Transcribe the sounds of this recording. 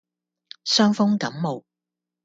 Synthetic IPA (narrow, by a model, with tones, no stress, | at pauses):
sœː˥ŋfʊ˥ŋkɐ˨˥mmo˨w